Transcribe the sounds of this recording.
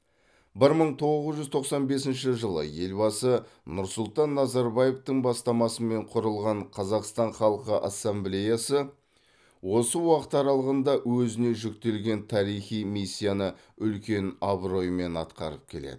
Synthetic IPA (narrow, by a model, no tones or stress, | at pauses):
bɪɾməɴt̪ʰo̞ʁəzʒʏzt̪ʰo̞qsɑnbe̞sɪnʃɪʒəlˠə̰je̞lbɑsənʊɾsʊlˠt̪ɑnːɑzɑɾbaje̞ft̪əɴbɑst̪ɑmɑsəme̞ɴqʰʊɾəlˠʁɑɴqʰɑzɑqst̪ɑɴχɑlˠqəʔa̰sːemblʲe̞jasə | wo̞səwɑqə̥t̪ɑɾɑlˠəʁənd̪ɑwɵzɪne̞ʒʏk̚t̪e̞lɡʲe̞nt̪ʰɑɾijχijmisʲːijanə | ʏlkʲe̞nɑbɾo̞jme̞nɑ̰t̪qɑ̰ɾəp̚kʲʰe̞lḛd̪ɪ